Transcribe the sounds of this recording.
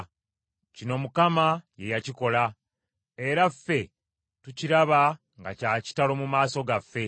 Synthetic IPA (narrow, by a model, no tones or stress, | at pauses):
cino̞mukamaje̞jaciko̞la | e̞ɾafːe̞ | tuciɾaβa | ŋɡacaːci̥talo̞mumaːso̞ɡafːe̞